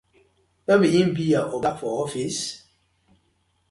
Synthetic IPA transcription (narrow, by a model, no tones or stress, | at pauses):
memiĩm̩bijaʔobafɔɔfis